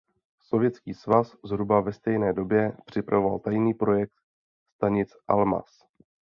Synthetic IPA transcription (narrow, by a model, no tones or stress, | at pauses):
so̞vjɛt͡skiːsvaszɦɾubavɛst̪ɛjnɛːdo̞bjɛpr̝̥ɪpɾavova̰lt̪ajniːpɾo̞jɛk̚t̪ | st̪aɲɪt͡sʔa̰lma̰s